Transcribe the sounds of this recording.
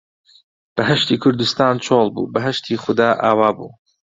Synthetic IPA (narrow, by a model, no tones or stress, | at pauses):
b̥ɐɦɐʃt̪iːkʰʊɾd̪ust̪aːnt͡ʃʰoːlˠbṵːbɐɦɐʃt̪ʰiːxʊd̪aːʔaːwaːbṵː